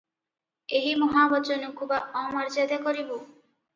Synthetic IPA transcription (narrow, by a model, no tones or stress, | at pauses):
eɦimɔɦabɔt͡ʃɔnukʰubaɔmaɾd͡ʒad̪akɔɾibo